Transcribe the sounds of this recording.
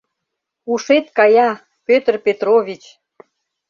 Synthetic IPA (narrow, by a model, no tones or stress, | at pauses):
uʃet̪kɑjɑ | pøt̪ərpet̪ɾovʲit͡ɕ